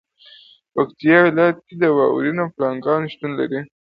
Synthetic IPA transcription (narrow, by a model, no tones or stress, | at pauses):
pakt̪ijɑwɪlɑjat̪̚ked̪əwɑ̰ṵɾinoplɑŋɡɑnʃt̪unla̰ɾi